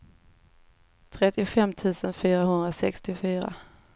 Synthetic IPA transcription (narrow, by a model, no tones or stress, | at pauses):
t̪ʰɾɛt̪ːɪʊfɛmːt̪ʰʉ̟ːsənfyːɾahɵnd̪ɾasɛ̰kst̪ɪfyːɾa̰